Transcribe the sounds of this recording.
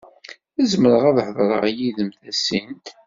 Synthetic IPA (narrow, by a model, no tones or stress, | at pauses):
æzməɾəʁæðħəðˤɾˤə̰ʁjiðəmθæsint̪